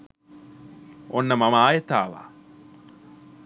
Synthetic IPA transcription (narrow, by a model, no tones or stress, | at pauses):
ʔonːəmɐmaːjet̪a̰ːʋa̰ː